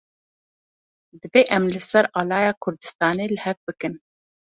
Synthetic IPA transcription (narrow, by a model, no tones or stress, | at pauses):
d̪ɨveːʔɛmlɨsɛɾɑːlɑːjɑːkʰʊɾd̪ɨ̥st̪ɑːneːlɨhɛvbɨkɨn